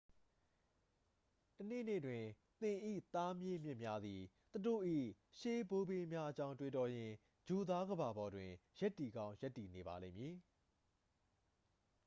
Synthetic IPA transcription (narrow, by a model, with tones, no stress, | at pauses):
tən̥ḛ˦˨nḛ˦˨dwɪ̃˨ | t̪ɪ̃˨ʔḭ˦˨t̪a˦mje˦mjɪ̃˦ʔmja˦d̪ði˨ | t̪u˨do̰˦˨ʔḭ˦˨ | ʃe˦bo˦be˦mja˦ʔət͡ɕã˦ʊ̃twe˨tɔ˨jɪ̃˨ | d͡ʑo˨d̪a˦ɡəba˨bɔ˨dwɪ̃˨ja˦tːi˨ɡã˦ʊ̃ja˦tːi˨ne˨ba̰˨lẽ˦˨mji˨